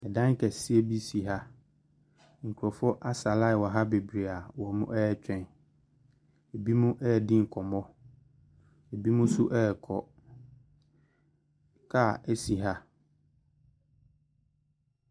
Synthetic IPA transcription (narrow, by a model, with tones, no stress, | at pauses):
ɛ˨dã˦ŋ˦kʰɛ˨si˦e˦bi˦si˨ɦa˦ | ŋ̩˨kʰu˨ɾɔ˨fɔ˦ʔa˦sa˨la˦˨wɔ˨ɦa˦be˨bɾe˨a˨wɔ˨mʊ̃˦ʔɛ˦ɛ˦t͡ɕᶣɛ̃˨n | e˨bi˦mũ˦ʔɛ˦˨dĩ˦ŋ̩˨kʰɔ˨mɔ̃˦ | e˨bi˦mũ˦sʊ˦ʔɛ˦˨kʰɔ˨ | kʰa˦˨ɛ˦si˨ɦa˦